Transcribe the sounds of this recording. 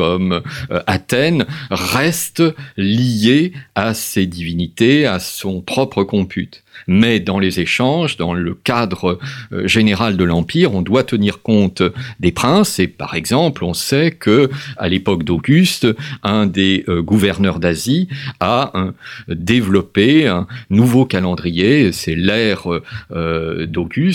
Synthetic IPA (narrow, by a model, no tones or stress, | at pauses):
kɔmat̪ɛnʁɛst̪lijeased̪ivinit̪easɔ̃pχɔpχəkɔ̃pʰy̰t̪mɛd̪ɑ̃lezeʃɑ̃ʒd̪ɑ̰̃ləkad̪ʁəʒeneʁald̪əlɑ̃piʁɔ̃d̪wat̪əniʁkɔ̃t̪d̪epχɛ̃sepa̰ʁɛɡzɑ̃plɔ̃sɛkəa̰lepɔkd̪oɡʲyst̪ɛ̃d̪eøɡuvɛʁnœʁd̪azia | d̪evlɔpeɛ̃nuvokalɑ̃d̪ʁijesɛlɛʁød̪oɡys